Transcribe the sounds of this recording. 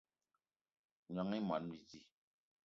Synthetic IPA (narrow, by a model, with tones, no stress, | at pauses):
ɲ˨a˨ŋi˦m˨a˨˦n˦bi˨d͡zi˦˨